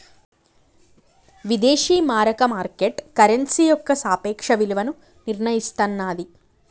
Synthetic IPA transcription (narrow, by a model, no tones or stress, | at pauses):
ʋid̪eːʂiːmaːɾɐkɐmaːɾkeʈkɐɾensijɔkːɐsaːpeːkʂɐʋiliʋɐnu | niɾɳɐjist̪ɐnːaːd̪i